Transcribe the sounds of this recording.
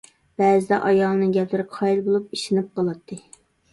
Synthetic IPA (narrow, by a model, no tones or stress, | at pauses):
b̥ɛːzɪd̪ɛ̰ʔɑjɑlˠnɨɡʲɛplɪɾɪqʰɑjilˠbolˠup̚iʃɪnɪp̚qɑlˠɑt̪ʰːɨ